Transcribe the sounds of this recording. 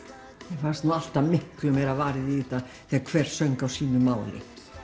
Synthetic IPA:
jɛfanst̪nual̥t̪amɪhklʏmejɾavaːɾɪðiiːt̪a | θɛakʰvɛr̥sœɥŋkawsiːnʏmaːwlɪ̰

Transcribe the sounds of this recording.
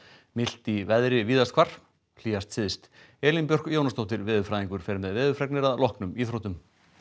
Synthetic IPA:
mɪl̥t̪ivɛðɾɪviːðast̪kʰvar̥ | l̥iːast̪sɪðst̪ | ɛːlinpjœr̥kjoːwnast̪owht̪ɪɾvɪːðʏfɾaːðiŋkʏɾ̥fɛːɾɪmɛðvɪːðʏfɾɛknɪɾaðlɔhknʏmiːθɾowt̪ʏm

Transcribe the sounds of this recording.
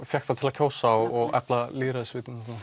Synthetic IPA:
fjɛxt̪θat̪ʰɪlacʰoːwsaɔɣɛ̰plaliːɾaɪsvɪːt̪ɪnat̪na

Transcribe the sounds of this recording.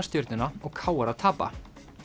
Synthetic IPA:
st̪jʏɾt̪nɪnaɔɣkʰaːwaɾat̪ʰaːpa̰

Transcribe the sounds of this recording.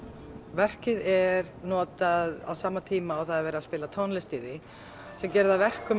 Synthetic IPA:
vɛr̥cɪðɛɾ | nɔːt̪aða̰wsaːmat̪ʰiːmaːwθaðɛɾvɛːɾaðspɪːlat̪ʰɔnlɛst̪iːðɪ | sɛmcɛɾðavɛr̥kʏ

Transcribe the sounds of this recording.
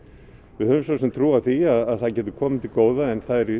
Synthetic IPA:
vɪðhœvʏmsosɛmt̪ʰɾuːavθiaðaðθaðcɛːt̪ʏ̥kʰɔːmɪt̪ʰɪlkoːwðaɛnθaðɛɾi

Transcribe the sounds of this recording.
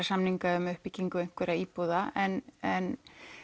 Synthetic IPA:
asamniŋkaʏmʏhpiciŋkʏejŋ̥kʰvɛɾaiːpuðaʔɛnɛn

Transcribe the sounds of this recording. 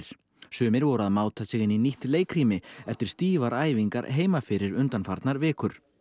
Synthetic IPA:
ɾ̥ | sʏːmɪɾvɔɾʏaðmaːwt̪ʰasɛːɣɪniniht̪leːjkʰɾiːmɪɛft̪ɪɾ̥st̪iːvaɾaːjviŋka̰ɾɦeːjmafɪɾɪɾʏnt̪anfaɾt̪naɾvɪːkʏɾ̥

